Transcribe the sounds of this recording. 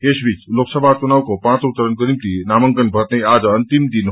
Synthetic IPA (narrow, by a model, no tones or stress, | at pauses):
esbit͡ʃloksəbʱat͡ʃunaːwkopãːt͡sut̪ːəɾənkəɾimt̪inaːməŋkənbʱət̪nəiaːd͡ʒənt̪imd̪in